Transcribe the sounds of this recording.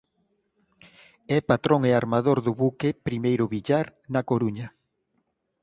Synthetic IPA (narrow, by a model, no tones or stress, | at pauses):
ɛpat̪ɾoŋeaɾmaðoɾðʊβukepɾimejɾʊβiʎaɾnakoɾuɲɐ